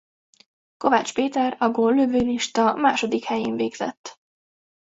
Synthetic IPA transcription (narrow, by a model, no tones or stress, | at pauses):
ko̞vaːt͡ʃpeːt̪ɛrɒɡoːlːøvøːliʃt̪ɒmaːʃo̞d̪ikhɛjeːɱveːɡz̥ɛ̰t̪ː